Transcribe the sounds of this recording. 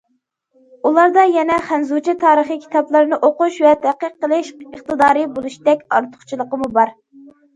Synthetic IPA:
ulˠɑɾd̪ɑjɛnɛχænzut͡ʃʰit̪ʰɑːɾəχikʲʰi̥t̪ʰɑplˠɨɾnɨʔoquʃwɛt̪ʰæqəqːəlˠɪʃəχt̪ɨd̪ɑːɾɨbolˠuʃd̪ɛkʲɑ̰ɾt̪ʰʊ̥χt͡ʃʰilˠəqəmubɑɾ

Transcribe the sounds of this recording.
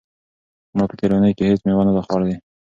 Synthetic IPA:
mɑpə̥t̪ʰeɾanəjkehet͡smewanad̪axɑɾd̪e

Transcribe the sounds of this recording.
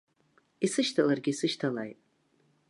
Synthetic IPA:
isɨʃtʰalarɡʲisɨʃtʰalajtʼ

